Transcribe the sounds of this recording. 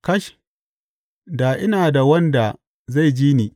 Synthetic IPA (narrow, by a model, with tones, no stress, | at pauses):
kɐ˦ʃ | daː˨ʔɪ˦naː˨da˨wɐ˦nda˨ | za˦˨jd͡ʒiː˦niː˨